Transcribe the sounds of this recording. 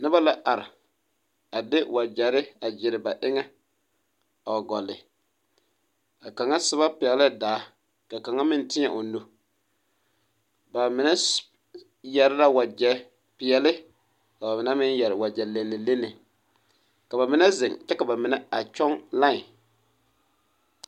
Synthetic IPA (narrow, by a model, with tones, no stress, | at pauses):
nɪ˦ba˦la˦ʔa˨ɾɪ˨ | a˨dɪ˦wa˨d͡ʒɛ˨ɾɪ˦a˨d͡ʒɪ˨ɾɪ˨ba˨ʔɪ˦ŋa˦ | a˨wa˨ɡɔ˨lːɪ˨ | ka˨ka˨ŋa˦sɪ˦βa˦pɪ˨ɛ˨lɪ˦daː˨˦ | ka˨ka˨ŋa˦mɪ˦ntɪ˦ɲa˨ʔʊ˨no˦ | ba˨mɪ˨nɛ˦ | jɛ˨ɾɪ˦la˦wa˨d͡ʒɛ˦ | pɪ˨ɛ˨lɪ˦ | ka˨ba˨mɪ˨nɛ˦mɪ˦njɛ˨ɾɪ˨wa˨d͡ʒɛ˨le˨nːɪ˨le˦nːɪ˨ | ka˨ba˨mɪ˦nɛ˦zɪ˨ŋt͡ʃɛ˦ka˨ba˨mɪ˨na˦a˨t͡ʃɔ˦ŋla˦˨